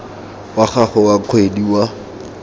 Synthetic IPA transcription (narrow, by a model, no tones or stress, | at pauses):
waχaχʊwaq͡χʰwediwa